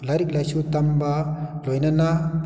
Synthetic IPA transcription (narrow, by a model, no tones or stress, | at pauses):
laɾik̚lajsut̪ambalojnana